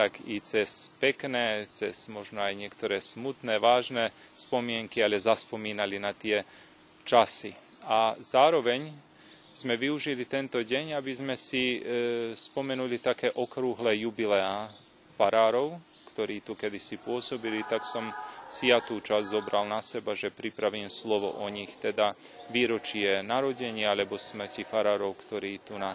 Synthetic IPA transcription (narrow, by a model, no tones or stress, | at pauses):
t̪akit͡sɛspɛknɛːt͡sɛzmɔʒnɔajɲɪɛkt̪ɔɾɛːsmut̪nɛːʋaːʒnɛspɔmɪɛŋkialɛzaspɔmiːnalinat̪ɪɛ | t͡ʃasḭazaːɾɔʋɛɲ | z̥mɛʋiuʒilit̪ɛnt̪ɔɟɛɲabizmɛsi | spɔmɛnulit̪akɛːʔɔkɾuɦlɛːjubilɛa | faɾaːɾɔʊkt̪ɔɾiːt̪ukɛd̪isipʊɔsɔbilit̪aksɔmsjat̪uːt͡ʃazzɔbɾalnasɛbaʒɛpɾipɾaʋiːmslɔʋɔ̰ʔɔɲixt̪ɛd̪a | ʋiːɾɔt͡ʃɪɛnaɾɔɟɛɲɪaalɛbɔsmr̩cifaɾaːɾɔʊkt̪ɔɾiːt̪una